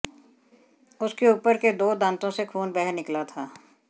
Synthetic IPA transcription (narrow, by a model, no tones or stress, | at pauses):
ʊskeuːpəɾked̪oːd̪ãːnt̪õsekʰuːnbɛɦɛɾnɪklat̪ʰaː